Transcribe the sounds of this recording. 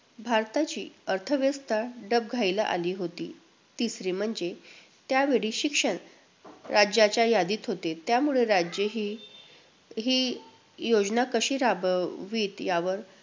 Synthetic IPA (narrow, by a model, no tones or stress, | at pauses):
bʱaɾt̪at͡ɕiːəɾt̪ʰəʋjəst̪ʰaɖəb̚ɡʱailaʔa̰liːɦot̪ḭː | t̪isɾiːm̤əɳd͡ze | t̪jaʋeɭiːɕikʂəɳ | ɾad͡ʑat͡ɕjajad̪iːt̪ɦot̪et̪jamuɭeɾad͡ʑəɦi | ɦiː | jod͡znakəɕiːɾabʋiːt̪jaʋəɾ